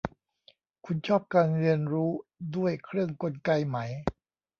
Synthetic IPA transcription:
kʰu˧nt͡ɕʰɔː˥˩p̚kaː˧nɾi˧ənɾuː˦˥du˥˩əjkʰɾɯ˥˩əŋko˧nka˧jma˦j

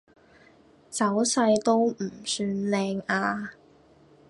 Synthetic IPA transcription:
t͡sɐ˨˥wsɐ˧jt̪o˥w̩˨˩syː˧nlɛː˧ŋaː˧

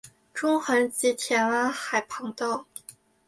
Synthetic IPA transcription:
ʈ͡ʂʊ˥ŋxə˧˥nt͡ɕi˧˥t̪ʰjɛ˧˥nwa˥nxa˨˩ɪpʰɤ˧˥ŋt̪ɑ˥˩ʊ

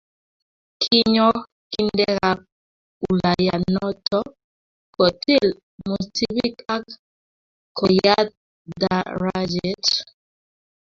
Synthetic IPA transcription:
kʰi˦ɲɔ˦ | ki˦ndɛ˦ɣa˦k̚ | u˨la˨ja̰˨nɔ˦tʰɔ˦ | kɔ˨tʰi˦˨l | mu˨ti˦bi˦ka˦k | kɔ˨ja˦t̚ | da˨˦ɾa˦d͡ʒɛ˨˦t

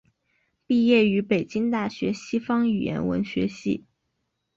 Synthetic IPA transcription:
pi˥˧jɛ˥˩y˧˥pe˨˩ɪt͡ɕi˥ŋt̪a˥˩ɕɥɛ˧˥ɕi˥fɑ˥ŋy˨˩jɛ̰˧˥nwə̰˧˥nɕɥɛ˧˥ɕḭ˥˩

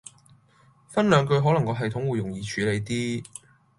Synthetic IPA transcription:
fɐ˥nlœː˨˧ŋkɵ˧ɥɦɔː˨˥lɐ˨˩ŋkɔː˧ɦɐ˨jt̪ʰʊ˨˥ŋwuː˨˧jʊ˨˩ŋjiː˧t͡ʃʰyː˨˧le˨˧jt̪iː˥

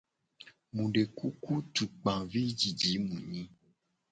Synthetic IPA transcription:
mũ˨ɖe˨ku˦ku˦tu˨k͡pã˨vi˦d͡ʒi˨d͡ʒi˨˦mũ˨ɲĩ˦

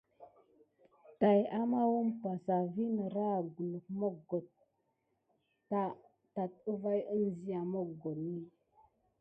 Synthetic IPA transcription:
ta˨ja˦ma˦wu˦mpa˨sa˨vi˦nə˨ɾa˦˨ɡu˨lu˨k̚mo˦kɡo˨t̚ | ta˦ | ta˨t̚ə˦va˦jə˦nzi˦ja˨mo˦kɡo˨tni˦

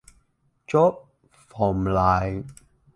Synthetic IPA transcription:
t͡ʃɔ˦˥p̚ | fɔ˨˩mlaː˨˩j

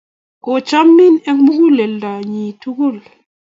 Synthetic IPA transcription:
ko˨t͡ʃa˦mːi˦nɛ˦ŋmu˦ku˦lɛ˨lda˨ɲi˨tʰu˦ku˦˨l

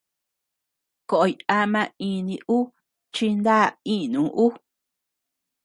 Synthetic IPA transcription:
ko˨ʔo˨˧ja˧mã˧ĩ˧nĩ˧ʔu˦ | t͡ʃi˧nd̪a˦˨ĩ˦˨nũ˨˦ʔu˦

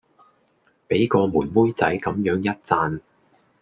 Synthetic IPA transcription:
pe˨˥jkɔː˧muː˨˩nwuː˥jt͡sɐ˨˥jkɐ˨˥mjœː˨˥ŋjɐ˥t̚t͡saː˧n

